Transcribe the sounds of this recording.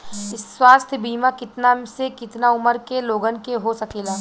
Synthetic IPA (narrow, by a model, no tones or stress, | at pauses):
ɪsːwaːst̪ʰbiːmakɪt̪nasekɪt̪naʊməɾkeloːɡənkeɦosɐkeːlaː